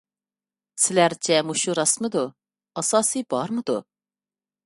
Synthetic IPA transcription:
sɪlæɾt͡ʃʰɛmuʃuɾɑsmɨd̪u | ɑsɑːsibɑɾmɨd̪u

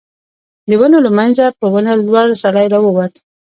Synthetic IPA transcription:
d̪əwənolamanzapəwənalwaɽsaɽajɾawəwat̪

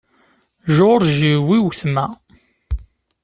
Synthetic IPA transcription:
ʒoɾʒiwiwθmæ

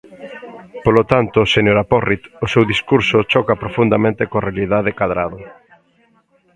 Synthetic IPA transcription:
polot̪ant̪ʊsenjoɾapɔrit̪osewðiskuɾsʊt͡ʃɔkapɾofund̪amẽnt̪ɪkoarealiðaðekaðɾaðʊ

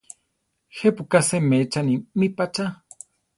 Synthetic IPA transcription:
xepukasemet͡ʃanimipat͡ʃa

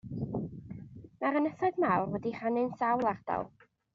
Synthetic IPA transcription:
naɾənəθaðmawrwɛdir̥anɨnsawlˠard̥ɔ̰lˠ

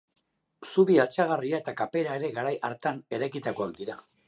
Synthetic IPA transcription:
suβialt͡saɣ̞ariae̞t̪akape̞ɾae̞ɾe̞ɣaɾajʔaɾt̪ane̞ɾajkit̪akoak̚d̪iɾa

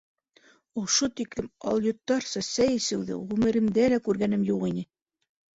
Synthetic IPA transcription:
ŏʃot̪iklɘmɑ̰lˠjŏt̪ːɑɾsɑsæjisɘ̆wðɘ̰ʁʉmɘ̆ɾɘ̆md̪ælækʉɾɡæn̪ɘmjuqinɘ

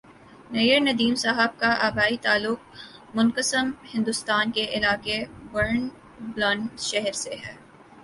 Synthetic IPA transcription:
nɐjənɐd̪iːmsaɦəb̚kaʔaːbaːit̪aːlːʊk̚mʊnkəsəmhɪ̃nd̪ʊst̪aːnkeʔɪlaːkewɐɾn | blɔ̃ːɳʃɛɦɾseɦɛː

